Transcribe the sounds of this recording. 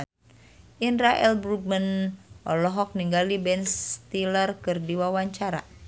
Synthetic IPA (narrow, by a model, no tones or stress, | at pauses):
ʔinɾaʔɛlbɾuɡ̚mənʔɔlɔɦɔk̚niŋɡalibɛnst̪ilərkɨrdiwawaɲt͡ʃaɾa̰